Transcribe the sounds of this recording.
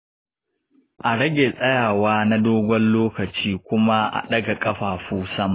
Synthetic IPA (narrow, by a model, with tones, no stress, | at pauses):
ʔa˨ɽɐ˦ɡʲe˨sʼɐ˦jaː˨waː˦na˦doː˦ɡʷɔ˦nloː˦kɐ˨t͡ʃiː˦kʷʊ˦ma˦ʔa̰˨ɗɐ˦ɡa˨kʼɐ˦ɸaː˨ɸuː˦sɐ˦ma˨